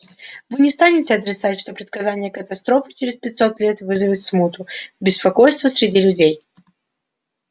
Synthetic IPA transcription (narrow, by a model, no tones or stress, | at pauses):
vɨnʲɪst̪anʲɪtʲɪɐt̪ɾʲɪt̪satʲʂt̪o̞pɾʲɪt̪kɐzanʲɪjəkət̪ɐst̪ɾo̞fɨ̥t͡ɕɪɾʲɪspʲɪt̪ʲso̞t̪lʲe̞t̪vɨzɨvʲɪt̪smut̪ʊbʲɪspɐko̞jst̪vəsʲɾʲɪdʲilʲʊdʲej